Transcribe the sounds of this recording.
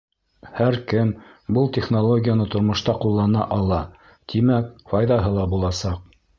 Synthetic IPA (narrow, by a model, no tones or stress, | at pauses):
hæɾkɘmbɤlˠt̪ʲeχnolˠoɡʲijanɤt̪ŏɾmŏʃt̪ɑqulˠːɑnɑ̰ʔɑlˠɑ | t̪ʰimæk̚fɑjðɑɦɤlˠɑbulˠɑsɑq̚